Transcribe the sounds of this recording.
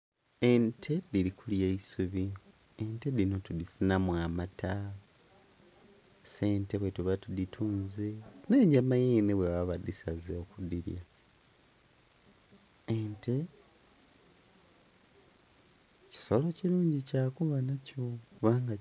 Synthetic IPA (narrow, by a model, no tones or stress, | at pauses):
entʰe̞dilikuljeisuβi | ente̞dino̞tudifunamwamata | se̞ːnte̞βwe̞tuβatuditʰuːnzeneːɲɟamajeːneβweβaβadisazeokudiɾja̰ | ente̞ | ci̥solo̞ciɾuːɲɟicaːkuβanacokuβaːŋɡa